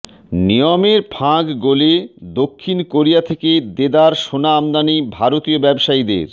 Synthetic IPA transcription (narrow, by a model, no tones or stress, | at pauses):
nijomeɾpʰãɡɡoled̪okʰːinkoɾijat̪ʰeked̪ed̪aɾʃonaamd̪anibʱaɾot̪iobɛbʃaid̪ḛɾ